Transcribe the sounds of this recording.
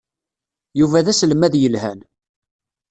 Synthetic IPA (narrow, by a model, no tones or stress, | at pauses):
juvæðæsləmæðjəlhæn